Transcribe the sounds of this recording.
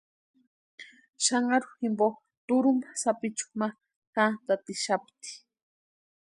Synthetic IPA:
ʃɑɴɢɑɾʊxɪmbo | t̪ʊɾʊmḁsapɪt͡ʃu̥ma | tant̪at̪ɪʃapt̪i̥

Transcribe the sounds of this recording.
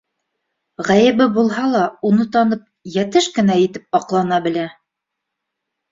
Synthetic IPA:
ʁæjɘ̆βɘbulˠɦɑlˠɑunɤt̪ɑnɤp̚jæt̪ɘʃkɘ̆næjɘ̆t̪ɘp̚ɑqlˠɑnɑbɘ̆læ

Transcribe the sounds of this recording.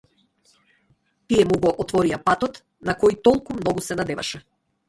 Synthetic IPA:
t̪ijɛmuɡɔʔɔt̪vɔɾijapat̪ɔt̪ | nakɔjit̪ɔlˠkumnɔɡusɛnad̪ɛva̰ʃɛ

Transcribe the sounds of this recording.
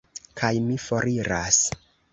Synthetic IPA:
kʰajmifo̞ɾiɾas

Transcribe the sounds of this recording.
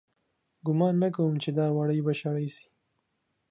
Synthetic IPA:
ɡʊmɑnːak̬awumt͡ʃed̪ɑwaɽəjbaʃaɽajsi̥

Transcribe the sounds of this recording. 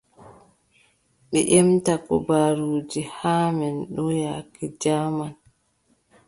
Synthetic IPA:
ɓɛ̰ʔɛmtakɔbaːɾuːd͡ʒihaːmɛnɗɔjaːkɛd͡ʒaːman

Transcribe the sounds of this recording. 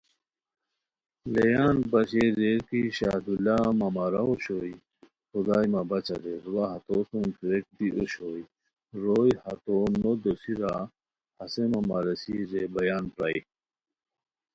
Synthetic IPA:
lejaːnbɐɕezeɾkiɕa̰d̪ulamamaɾaoɕoj | xud̪aːjmabɐt͡ɕa̰d̪eɾuwaɦɐt̪ot̪umpʰɾek̚d̪iʔoɕoːj | ɾojhat̪onod̪osiɾa | hɐsemamaɾesizebɐjaːnpɾa̰i

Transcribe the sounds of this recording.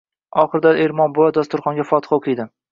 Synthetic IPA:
ɒχɨɾd̪aeɾmɒnbʊad̪ɒst̪ʰʊɾχɒnɡʲafɒt̪ɨ̥χɒqʰɨjd̪ɪ

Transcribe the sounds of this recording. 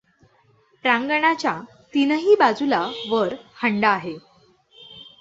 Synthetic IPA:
pɾãŋɡəɳat͡ɕja | t̪inəɦiːbad͡zulaʋəɾhəɳɖaːɦe

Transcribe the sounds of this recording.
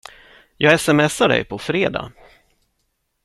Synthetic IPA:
jʔɑːɡɛsɛmɛsːaɖɛ̰jpʰɔfɾeːd̪a̰ː

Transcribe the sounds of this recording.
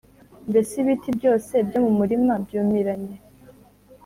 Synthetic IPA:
ndesiβitʰibɟo̞ːse̞bɟomumuɾimabɟuːmiɾaɲe

